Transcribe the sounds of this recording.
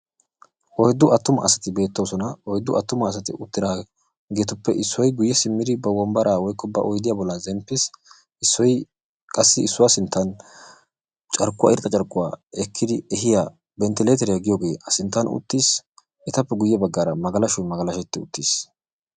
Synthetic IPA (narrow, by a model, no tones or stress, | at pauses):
ʔɔjd̪ːʊɐt̪ːʊmɐ̰ʔːsɐt̪ɪbe̞ːt̪ːowsɔnɐɔjd̪ːʊʔɐt̪ːʊmɐːs̬ɐt̪ɪ̰ʔʊt̪ːɪɾaː | ɡeːt̪ʊpːɛʔɪsːɔjɡʊjːɛsɪmːɪd̪ɪbɐwɔmbɐɾʔaːwɔjkːɔbɐʔɔjd̪ɪjabɔlːɐzɛmpːɪs | ɪsːɔj | kʼɐsːɪɪsːʊwasɪnt̪ːɐn | t͡ʃʼɐɾkːʊwa̰ɪɾt̪ʼɐt͡ʃʼɐɾkʼːʊwaːɛkʰːɪd̪ɪɛɦɪja | bɛnt̪ɪleːt̪ɛɾɪjɐɡɪjoːɡe̞ːɐsɪnt̪ːɐnʊ̰t̪ːiːs | ɛt̪ɐpːɛɡʊjːɛbɐɡːaːɾɐmɐɡɐlɐʃʊjmɐɡɐlɐʃɛt̪ːɪʊ̰t̪ːiːs